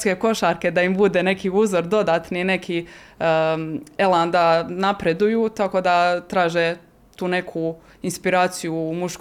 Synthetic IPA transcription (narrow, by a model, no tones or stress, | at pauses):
ske̞ko̞ʃaɾke̞d̪aimbud̪e̞ne̞kiuːzo̞ɾd̪o̞d̪aːt̪nine̞kʰi | eland̪anapɾe̞d̪ujut̪ako̞d̪at̪ɾaːʒe | t̪uːne̞kʰu | inspiɾaːt̪sijumuʃk